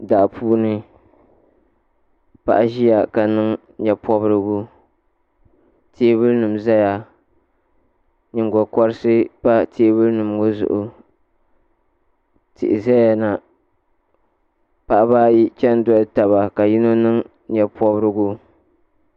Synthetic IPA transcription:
da˨pʰuː˦nɨ˦ | pa̰˦ʔa˦ʒi˦ja˨ka˨nɨ˦ŋ | ɲɛ˨pɔ˦bɨ˦ɾɨ˦ɡu˦ | tʰeː˦βɨ˦lnɨ˨m˨za˦ja˨ | ɲɨ˨ŋɡɔ˨kɔ˦ɾɨ˦sɨ˦pa˦tʰeː˦bɨ˦lnɨ˨mɡo˦zʊ̰˨ʔʊ˨ | tʰɪ̰˨ʔɪ˨zɛ˦a˨na˨ | pa˨ʔa˦baː˦ji˦t͡ʃɛ˦ndɔ˦lta˨βa˨ka˨ji˦no˦nɨ˦ŋ | ɲɛ˨pɔ˦bɨ˦ɾɨ˦ɡu˦

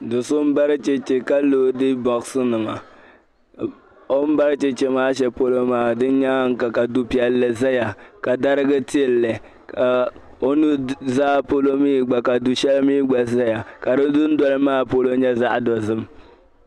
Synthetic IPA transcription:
dʊ˨sʊ˦m˦ba˦ɾt͡ʃe˨t͡ʃe˨ka˦loː˦dɨ˦bɔ˨ksɨ˦nɨ˨ma̰˨ | o˦m̩˦ba˦ɾt͡ʃe˨t͡ʃe˦maː˦ʃ̬ɛ˦po˦lo˦maː˦dɨ˦n˦ɲa˦ŋ̩˦ka˨ka˨du˦pi˨ɛ˨lːɛ˨za˦ja˨ka˨da˦ɾɨ˦ɡɨ˦ti˦ɛ˨lːɛ˨ | ka˨ | o˦nu˦zaː˦po˦lo˦miː˦ɡ͡ba˨ka˨du˨ʃɛ˦lɨ˦miː˦ɡ͡ba˨za˦ja˨ka˨dɨ˦dʊ˦n̩˦dɔ˦lɨ˦maː˦po˦lo˦ɲɛ˦za˦ʔdɔ˨zɨ˦m

